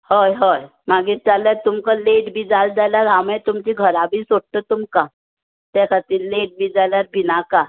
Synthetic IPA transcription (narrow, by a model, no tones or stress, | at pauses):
həjɦəj | maɡiːɾtaljaɾt̪umkəleʈbʱiːd͡zald͡zaljaɾamet̪umt͡ɕiːɡʱəɾabʱiːsoɽt̪ət̪umka | t̪ɛkʰat̪iːlleʈ̚bʱiːd͡zaljaɾbʱinaka